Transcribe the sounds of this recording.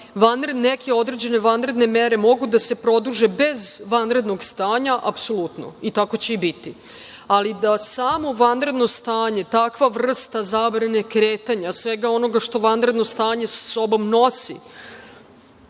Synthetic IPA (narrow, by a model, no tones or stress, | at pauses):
ʋanɾenekʰe̞o̞d̪ɾe̞d͡ʑe̞ne̞ʋanɾe̞d̪ne̞meɾe̞mo̞ɡud̪ase̞pɾo̞d̪uʒe̞be̞zʋanɾe̞d̪no̞ɡst̪aːɲaʔapso̞lˠut̪no̞̰it̪ako̞t͡ɕe̞ibit̪i | alid̪asaːmo̞ʋanɾe̞d̪no̞st̪aːɲe̞t̪akʋaʋr̩st̪azabɾane̞kɾeːt̪aɲasʋe̞ɡao̞no̞ɡaʃt̪o̞ʋanɾe̞d̪nost̪aːɲe̞sḁso̞bo̞mno̞sḭ